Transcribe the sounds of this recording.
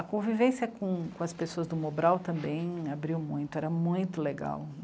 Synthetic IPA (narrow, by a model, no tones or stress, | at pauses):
ɐkõvivẽsɐkõkõɐspesoɐzd̪ʊmobɾawt̪ɐ̃mbẽj̃abɾiwmũj̃t̪ʊɛɾɐmũj̃t̪ʊleɡa̰w